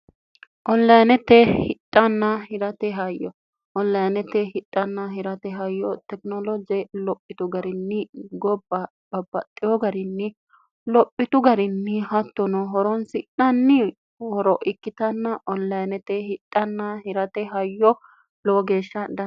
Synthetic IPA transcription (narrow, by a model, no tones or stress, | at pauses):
ʔɔnːɐjnɛt̪ɛhɪtʼːɐnːɐhɪɾɐt̪ɛɦɐjːɔ | ʔɔllːɐjnɛt̪ɛɦɪtʼːɐnːɐɦɪɾɐt̪ɛɦɐjːɔt̪ɛknɔlɔd͡ʒɛlɔpʼːɪt̪ʊɡɐɾɪnːɪɡɔbːɐ | b̥ɐbːɐt̪ʼːɪjɔɡɐɾɪnːɪ | lɔpʼːɪt̪ʊɡɐɾɪnːɪhɐt̪ːɔnɔɦɔɾɔnsɪᶑɐnːɪ | hɔɾɔʔɪkːɪt̪ɐnːɐʔɔnlɐjnɛt̪ɛhɪtʼːɐnːɐhɪɾɐt̪ɛɦɐjːɔ | lɔɡeːʃːɐd̪ɐ